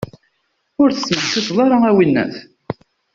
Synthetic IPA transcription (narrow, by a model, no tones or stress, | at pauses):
ʊɾθəsmənsiθðˤɑɾˤɑæwinːæ̰θ